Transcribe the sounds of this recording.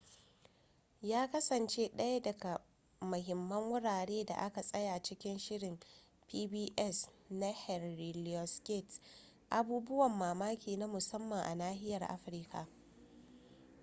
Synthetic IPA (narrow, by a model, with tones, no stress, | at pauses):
jaː˦kɐ˦sɐ˨nt͡ʃeː˦ɗɐ˦ja˦dɐ˨ɡa˨ | mʊ˨ɦɪ˨mːɐ˦ŋwʊ˦ɽaː˨ɽeː˦da̰˨ʔa˦ka˨sʼɐ˦ja˨t͡ʃɪ˦kʲɪ˦nʃɪ˦ɽɪ˨m | piː˦biː˦ʔɛ˦sna˦hɛ˨rɾi˨lɔ˨skʲe˦˨t | ʔa˨buː˦bʊ˦wɐ˨mːaː˨maː˦kʲiː˨na˦mʊ˨sɐ˦mːɐ˨ŋʔa̰˨naː˦hɪ˦jɐ˨rʔa̰˦ɸɾɪ˦kʰa̰˨